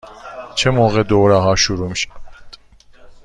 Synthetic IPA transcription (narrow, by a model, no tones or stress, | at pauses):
t͡ʃʰɛmɔɣɛd̪ɔɾaɦaʃuɾumʃt̪ʼ